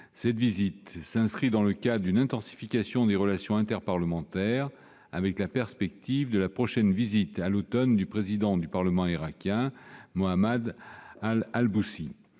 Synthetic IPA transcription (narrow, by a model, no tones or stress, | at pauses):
sɛt̪vizit̪sɛ̃skχid̪ɑ̃ləkad̪ʁdynɛ̃t̪ɑ̃si̥fikasjɔ̃d̪eʁəlasjɔ̃ɛ̃t̪ɛʁpaʁləmɑ̃t̪ɛʁ | avɛklapɛʁspɛk̚t̪ivd̪əlapχɔʃɛnvizit̪alot̪ɔnd̪ypχezid̪ɑ̃d̪ypaʁləmɑ̃iʁakʲjɛ̃moamad̪alalbusi